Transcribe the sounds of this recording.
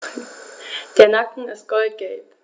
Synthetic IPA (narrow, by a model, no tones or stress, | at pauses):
d̥eːɐnakŋ̩ɪst̚ɡ̥ɔlt̚ɡ̥ɛlp